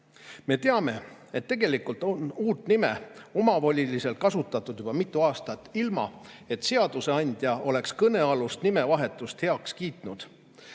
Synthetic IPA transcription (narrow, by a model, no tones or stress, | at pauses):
me̞t̪e̞ɑme̞e̞t̪ːe̞ɡe̞likult̪onuːt̪nime̞o̞mɑvo̞lʲilise̞lt̪̚kɑsut̪ːˑɑt̪ːˑud̪̥jub̥ɑmit̪ːˑuɑːst̪ɑt̪ːˑilmɑ̰ | e̞t̪ːˑse̞ɑd̪̥use̞ɑnʲd̪̥ʲjɑʔo̞le̞kskɤne̞ɑlust̪nime̞vɑɦe̞t̪ːˑust̪he̞ɑkskiːt̪nud̪̥